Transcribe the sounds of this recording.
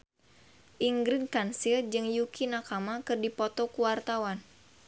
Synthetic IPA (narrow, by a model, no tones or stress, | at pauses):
ʔiŋɡɾinkansird͡ʒɨŋjukinakamakɨrdipɔt̪ɔkuwart̪awan